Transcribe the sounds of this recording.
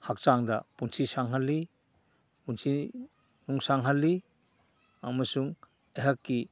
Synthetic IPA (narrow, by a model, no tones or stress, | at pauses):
hak̚t͡ʃaŋdapunsʰisaŋɦalːi | punsʰi | nuŋsaŋɦalːi | amɐsuŋ | eɦakːi